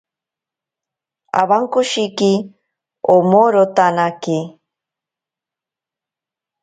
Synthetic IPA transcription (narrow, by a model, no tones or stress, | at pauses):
a̰βaŋkoʃiki | omoɾot̪anaki